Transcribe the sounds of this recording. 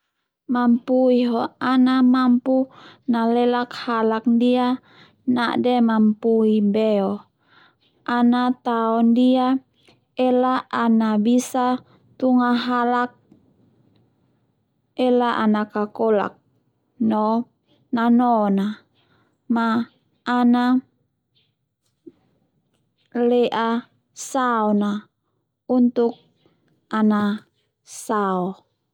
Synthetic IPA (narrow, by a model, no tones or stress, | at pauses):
mampuiɦɔanamampunalɛlakhalak̚ndia | naʔdɛmampuibɛɔ | anat̪aɔndia | ɛlaanabisa | t̪uŋaɦalak̚ | ɛlaʔanakakɔla̰k̚ | nɔ | nanɔna | maː | na | lɛʔa | saɔna | unt̪uk̚ | ana | saɔ